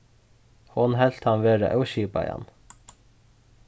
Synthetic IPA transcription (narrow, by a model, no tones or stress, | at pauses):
hʊnɦɛlt̪hɑnʋeːɾa̰ʔœwʃiːpɑjɑ̰n